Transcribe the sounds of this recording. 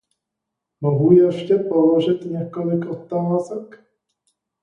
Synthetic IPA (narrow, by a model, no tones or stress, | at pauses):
moɦujɛʃcɛpoloʒɪt̪ɲɛkolɪkʔot̪ːalazɛk